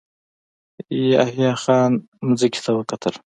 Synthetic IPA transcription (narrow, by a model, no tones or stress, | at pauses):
ahjɑxɑːn | mʊziki̥t̪ʰawəkat̪ʰəl